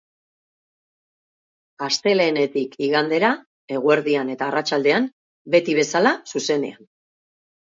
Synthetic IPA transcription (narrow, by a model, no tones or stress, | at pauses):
ast̪e̞le̞ːne̞t̪ikiɣand̪e̞ɾa | e̞ɣue̞ɾðiane̞t̪aːrat͡ʃald̪e̞an | be̞t̪iβ̞e̞salasuse̞ne̞̰an